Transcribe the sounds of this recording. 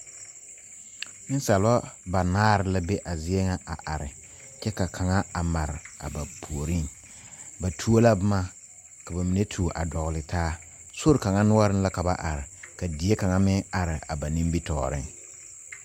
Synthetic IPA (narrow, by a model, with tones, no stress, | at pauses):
nɪ˦n˦sa˨la˦ba˨naː˦ɾɪ˦la˦be˦ʔa˨zɪ˦ɛ˦ŋa˦ʔa̰˨ʔa˨ɾɪ˨ | t͡ʃɛ˦ka˨kʰa˨ŋa˦a˨ma˨ɾɪ˨a̰˨ba˨pʰu˨o˨ɾi˦˨n | ba˨tʰu˦o˦la˦bʊ˦ma˦ | ka˨ba˨mi˨ne˦tʰu˨ʔa̰˨dɔ˨ɣlɪ˨tʰaː˦ | so˦ɾɪ˨ka˨ŋa˦nʊ˦a˦ɾɪ˦nla˦ka˨ba̰˦ʔa˨ɾɪ˨ka˨di˨e˦ka˨ŋa˦mɪ˦ŋa˨ɾɪ˨a˨ba˨nĩ˦mbi˦tɔ̰ː˨ɾɪ̰˦ŋ